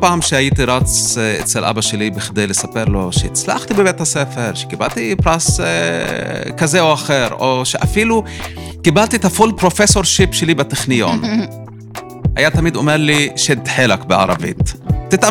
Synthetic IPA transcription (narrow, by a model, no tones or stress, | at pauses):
paʕamʃhajiːt̪iɾˤɑt̪sʔḛt̪salʔa̰baʃeliːbɪxd̪eːlisapeɾloʃɪ̰t̪sla̰xt̪ibɪbeːt̪hasefeɾʃɡɪba̰lt̪ipɾas | kazeːwʔaxeːɾʔoʃʔafiːlu | kɪbalt̪it̪afuːlpɾofesoɾʃipʃeliːbɪt̪ːexnɪjo̰ːn | hæ̰jaːt̪amiːd̪ʔomeɾliːʃed̪ːħelakbɪʕɑ̰ɾˤɑ̰vḭːt̪ːɪt̪ʔa